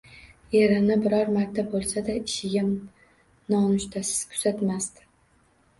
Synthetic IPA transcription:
jeɾɪnɪbɪɾɒɾmaɾt̪ʰabolˠsad̪aɪʃɪɡʲa | nɒnʊʃt̪ʰasɪ̥z̥kʰʊ̥z̥at̪mast̪ɪ̥

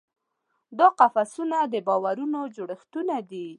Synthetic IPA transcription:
d̪ɑqafasunad̪əbɑwaɾunod͡ʒoɽəxt̪unad̪i

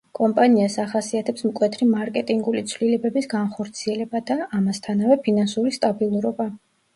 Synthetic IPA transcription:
kʼɔmpʼaniasaχasiat̪ʰɛpsmkʼwɛt̪ʰɾimaɾkʼɛt̪ʼiŋɡulit̪sʰvlilɛbɛbisɡanχɔɾt̪sʰiɛlɛbad̪aːmast̪ʰanavɛpʰinansuɾist̪ʼabilˠuɾɔba

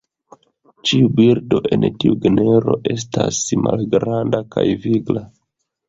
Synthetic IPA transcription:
t͡ʃiubiɾdo̞ʔe̞ntiuɡene̞ɾo̞ʔe̞s̬tasmalɡɾandakajviɡla

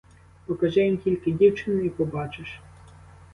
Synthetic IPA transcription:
pɔkɐʒɛjimtʲilʲkɪdʲiwt͡ʃɪnʊipɔbɑt͡ʃɪʃ

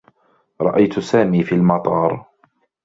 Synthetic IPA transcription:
ɾˤɑ̰ʔajt̪saːmiːfiːlmɑt̪ˤɑːɾˤ

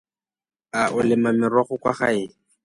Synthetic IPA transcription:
aʔʊlɪmamɪrwaχʊkwa̰χa̰ɪ

